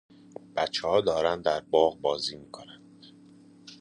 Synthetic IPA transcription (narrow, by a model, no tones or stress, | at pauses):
b̥æt̪t͡ʃʰːehɒːd̪ɒːɾænd̪d̪æɾbɒːɣbɒːziːmiːkʰonænd̪̥